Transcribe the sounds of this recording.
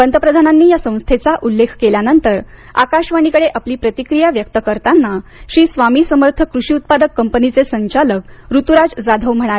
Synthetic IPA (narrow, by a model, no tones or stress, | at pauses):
pənt̪əpɾəd̪ʱananːiːjasə̃w̃st̪ʰet͡saʔulːekʰkeljanənt̪əɾa̰kaɕʋaɽ̃ikəɽeʔapliːpɾət̪ikɾijaʋjək̚t̪əkəɾt̪anːaɕiːsʋamiːsəməɾt̪ʰəkɾuɕiːut̪̚pad̪əkːəmpənit͡sesəɲt͡ɕalək̚ɾut̪uɾad͡zd͡zad̪ʱəʋm̤əɽ̃ale